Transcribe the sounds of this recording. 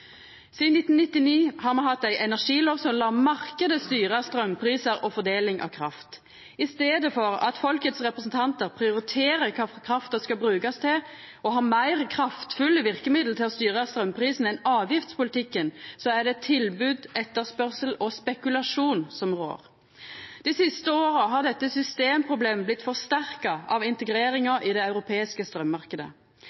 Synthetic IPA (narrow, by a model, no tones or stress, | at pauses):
siːd̪nɪt̪n̩nɪt̪ːɪniːhɑːɾmɑnɦɑt̪ːæɪʔɛnæʁʂiːloːʋsɔmlɑːmɑʁkəd̪əst̪yːʁəɑst̪ɾœmpʰɾiːsəɾʔɔfɔd̪eːlɪŋʔɑ̰ʋkʰɾɑ̰ft̪ | ɪst̪eːd̪əfɔɾɑ̰t̪fɔlkət̪sʁɛpʁəsn̩t̪ʰɑnt̪əʁpʰɾɪʊɾɪt̪ʰeːɾəkʰɑkʰʁɑft̪əskɑbɾʉːkɑst̪ʰɪ | ɔɦɑːmæɪʁkʰʁɑft̪fʉlːəʋɪʁkəmɪd̪l̩t̪ʰɪlɔst̪yːʁəɑst̪ɾœmːpʰʁiːsn̩ɛnɑːʋjɪft̪spʊlɪt̪ɪkːənsɔæʁd̪ɛt̪ʰɪlbʉːd̪ɛt̪ːəʁspœʁsəlɔspɛkʉlɑʂuːnsɔmʁo̰ːʁ | d̪̥isɪst̪əoːʁɑɦɑʁd̪ɛt̪ːəsʏst̪eːmpʰʁʊbleːmblɪt̪ːfɔʁst̪æʁkɑɑʋɪnt̪əɡɾeːɾɪŋɑʔid̪ɛɑʉɾʊpʰeːɪskəst̪ɾœmːɑʁkəd̪ə̰